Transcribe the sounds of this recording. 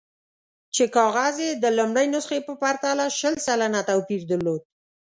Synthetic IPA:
t͡ʃekɑɣazjed̪əlʊmɽəjnʊsxepəpaɾt̪alaʃəlsalanat̪awpiɾd̪əɾlod̪̚

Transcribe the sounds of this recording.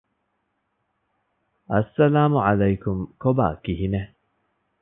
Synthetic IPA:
ʔɐsːɐlaːmʊʕalajkʊmkoba̰ːkihine

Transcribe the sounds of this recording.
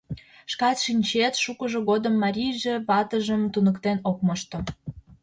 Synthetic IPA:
ʃkɑt̪ʃinʲt͡ɕet̪ʃukəʒoɣod̪əmːɑɾʲijʒeβɑt̪əʒəmt̪unəkt̪enok̚məʃt̪o

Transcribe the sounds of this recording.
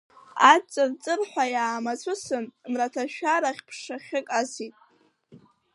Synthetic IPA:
at͡sʼːɨrt͡sʼɨrħʷajaːmat͡sʷʰʊsɨnnratʰaʃᶣaɾaχʲpʰʂaχʲɪkʼasitʼ

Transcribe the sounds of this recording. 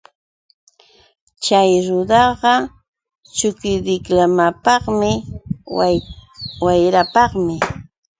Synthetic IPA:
t͡ʃajɾʊd̪ɑɢɑ | t͡ʃʊkɪd̪ɪklamapɑχmɪ | wajɾapɑχmɪ

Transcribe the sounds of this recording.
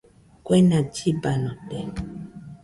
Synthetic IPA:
kwɛnad͡ʒibanɔ̃tɛ

